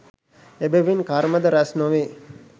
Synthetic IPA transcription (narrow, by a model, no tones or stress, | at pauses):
ebeʋinkaɾməd̪əɾæsnoʋe